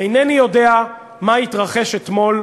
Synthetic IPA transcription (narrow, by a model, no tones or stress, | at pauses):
ejnenijo̞de̞a | mait̪ʁaχe̞ʃet̪mo̞l